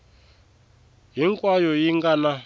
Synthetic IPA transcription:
ɦiŋkʼwajɔjiŋɡana

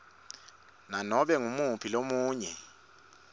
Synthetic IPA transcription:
nanɔɓɛŋumuɦpʰilomuːɲɛ

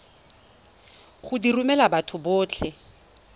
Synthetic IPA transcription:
χʊdirumɛlabatʰʊbʊːt͡ɬʰɛ

